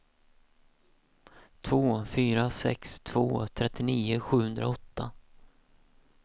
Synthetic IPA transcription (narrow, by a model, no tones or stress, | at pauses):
t̪ʰvoːfyːɾasɛ̰kst̪ʰv̥o̰ːt̪ʰɾɛt̪ːɪniːʊɧʉ̟ːhɵnd̪ɾa̰ɔt̪ʰːa